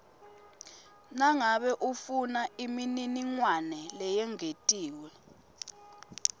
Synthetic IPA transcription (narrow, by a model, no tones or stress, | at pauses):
naŋaɓɛʔufunaimininiŋwanɛlɛjɛŋetʼiːwɛ